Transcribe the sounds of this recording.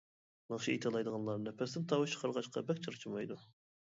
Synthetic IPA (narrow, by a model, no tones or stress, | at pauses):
mɑŋʃiit̪ʰɨlˠɑjd̪əʁɑnlˠɑɾnɛpʰɛsɪnt̪ʰɑwt͡ʃʰə̥qʰɑɾʁɑʃqʰɑ̰bɛkʲt͡ʃʰɨɾt͡ʃʰimɑjd̪u